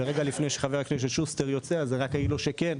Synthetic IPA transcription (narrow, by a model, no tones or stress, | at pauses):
eʁeɡalifne̞jʃeχave̞ʁakneʃ̬etʃusteʁjot͡seazeʁakailoʃeken